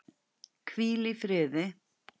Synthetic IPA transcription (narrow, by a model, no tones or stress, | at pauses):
kʰviːlifɾɪːðɪ